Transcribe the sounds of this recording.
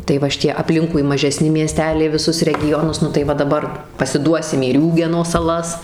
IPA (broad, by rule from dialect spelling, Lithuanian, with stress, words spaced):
tɐɪ ˈʋɐ ʃʲɪˈtʲiɛ ɐpʲˈlʲɪŋkʊɪ mɐʒʲɛˈsʲnʲɪ mʲiɛˈsʲtʲæːlʲɛɪ ʋʲɪˈsʊs rʲɛɡʲɪˈjoːnʊs nʊ tɐɪ ˈʋɐ dɐˈbɐr pɐsʲɪˈduɔsʲɪm iː ˈrʲuːɡʲɛnoː sɐˈlˠɐs